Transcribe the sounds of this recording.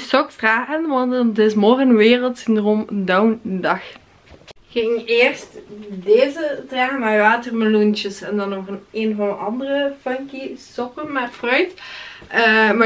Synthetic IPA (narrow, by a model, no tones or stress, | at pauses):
sɔktraːɣənʋɑnttɪsmɔrɣənʋeːrəlˠtsɪndroːmdawndɑx | xɪŋeːrstdeːzətraːɣənmaːjʋaːtərməlunt͡ʃəsɛndɑnːɔɣəneːnvɑndəʔɑndərəfœŋkisɔkənmatfrœɥt | əma